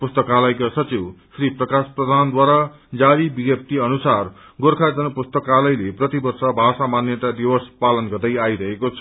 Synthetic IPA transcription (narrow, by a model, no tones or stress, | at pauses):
pust̪ʌkalʌjkasʌt͡siwsriprʌkasprʌd̪ʱand̪waɾa | d͡zaɾibiɡjʌp̚t̪iʌnusar | ɡoɾkʰad͡zʌnʌpust̪ʌkalʌjleprʌt̪ibʌrsʌbʱasamanjʌt̪ad̪iwʌspalʌnɡʌrd̪ʌjajɾʌɦekot͡sʰʌ